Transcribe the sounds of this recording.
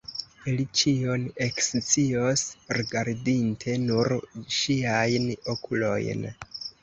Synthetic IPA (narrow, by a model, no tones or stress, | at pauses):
ilit͡ʃione̞kst͡siosɾiɡaɾdintʰe̞nuɾʃiajnokulo̞̰jn